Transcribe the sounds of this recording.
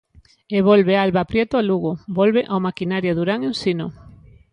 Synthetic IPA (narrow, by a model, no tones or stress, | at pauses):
eβolβealβapɾjɛt̪ʊaluɣobɔlβeʔawmakinaɾjaðuɾaŋensino